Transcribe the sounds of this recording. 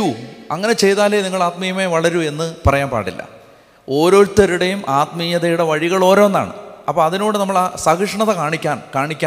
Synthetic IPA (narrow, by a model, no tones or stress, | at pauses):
uɐ̰ŋːɐne̞t͡ɕe̞jt̪aːleniŋːɐɭaːt̪mɐjɐme̞ːʋɐɭɐɾue̞nːɨpɐrɐjaːnpa̰ːʈːilːɐ̰ | o̞ːɾo̞ːɾt̪ːɐɾuɽejumʔaːt̪mɐjɐðɐjuɽe̞ʋɐɻiɣɐɭo̞ːɾo̞ːenːa̰ːɳɨ̰ɐpːɐɐðino̞ːɽɨnɐmːɐɭasɐɡɐʂɐɳɐt̪ːekaːɳikʲːaːnkaːɳikʲːaː